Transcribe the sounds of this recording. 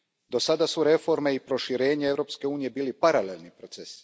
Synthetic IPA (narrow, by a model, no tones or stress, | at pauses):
d̪o̞sad̪asuɾe̞fo̞ɾme̞ipɾo̞ʃiɾe̞ːɲaevɾo̞pske̞uːnije̞biːlipaɾalelˠnipɾo̞t̪sesi̥